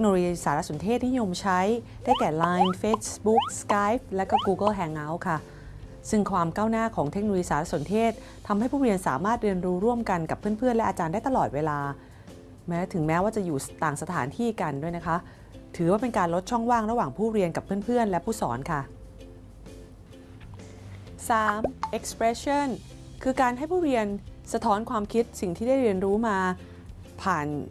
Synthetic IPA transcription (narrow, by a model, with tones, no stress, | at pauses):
tʰe˦˥kno˧lo˧jiː˧saː˩˦ɾa˦˥so˩˦nt̪ʰeː˥˩t̪̚ni˦˥jo˧mt͡ɕʰa˦˥j | daː˥˩jkɛː˨˩laː˧˥jnfe˦˥bu˦˥k̚skaː˦˥jp̚lɛ˦˥kɔː˥˩kuː˧kɤ˥˩ɦɛ˧ŋːa˦˥wkʰa˥˩ | sɯ˥˩ŋkʰwaː˧mkaː˥˩wnaː˥˩kʰɔː˩˦ŋt̪ʰe˦˥k̚o˧jiː˧saː˩˦ɾa˦˥so˩˦nt̪ʰeː˥˩t̪̚ʰːa˧mha˥˩jpʰuː˥˩ɾi˧ənsa̰ː˩˦maː˥˩t̪̚ɾɯ˧ənɾuː˦˥ɾu˥˩əmka˧nka˨˩pʰːɯ˥˩ənpʰɯ˥˩ənlɛ˦˥ʔaː˧t͡ɕaː˧ndaː˥˩jt̪a˨lɔː˨˩t̪̚weː˧laː˧ | mɛː˦˥t̪ʰɯ˩˦ŋmɛː˦˥waː˥˩t͡ɕa˨˩juː˨˩t̪aː˨˩ŋsa˧t̪ʰaː˩˦nt̪ʰiː˥˩ka˧ndu˥˩əjna˦˥kʰa˦˥ | t̪ʰɯː˩˦waː˥˩pe˧nkaː˧nlo˦˥t̪̚t͡ɕʰɔ˥˩ŋwaː˥˩ŋɾa˦˥waː˨˩ŋpʰuː˥˩ɾi˧ənka˨˩pʰːɯ˥˩ənpʰɯ˥˩ənlɛ˦˥pʰuː˥˩sɔ̰ː˩˦nkʰa˥˩ | saː˩˦mʔe˨˦˥k̚spɾɛ˦˥so˥˩n | kʰɯː˧kaː˧nɦa˥˩jpʰuː˥˩ɾi˧ənsa˧t̪ʰɔː˦˥nkʰwaː˧mkʰi˦˥t̪̚si˨˩ŋt̪ʰiː˥˩daː˥˩jɾi˧ənɾuː˦˥maː˧ | pʰaː˨˩n